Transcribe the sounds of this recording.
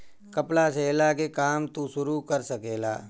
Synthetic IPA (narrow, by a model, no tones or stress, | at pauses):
kəplaseːlakekaːmt̪usʊɾukəɾsəkeːla̰ː